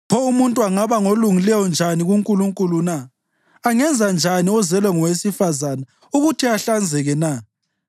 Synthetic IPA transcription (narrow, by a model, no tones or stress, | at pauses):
pʰɔumuntʼuaŋaβaŋoluŋilɛjɔnd͡ʒʱaniɣuŋkʼuluŋkʼulunaː | ŋɛnd͡zʱand͡ʒʱaniɔzɛlwaŋɔwesifazana | uɣutʰiaɬand͡zʱɛɣɛna